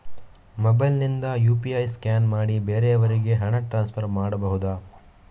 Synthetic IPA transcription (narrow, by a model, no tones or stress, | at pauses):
mɔbɐjlnind̪ɐjuːpiɐjskaːnmaːɽibeːɾeɐʋɐɾiɡe̞ɦɐɳɐʈɾaːnspʰɐɾmaːɽɐbɐɦud̪aː